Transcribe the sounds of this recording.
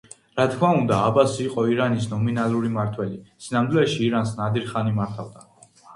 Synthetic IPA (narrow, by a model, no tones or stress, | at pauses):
ɾat̪kʰmaund̪aːbasːqʼɔiɾanisnɔminalˠuɾimaɾt̪ʰwɛlisinamd̪ulɛʃiːɾansnad̪iɾχanimaɾt̪ʰavd̪a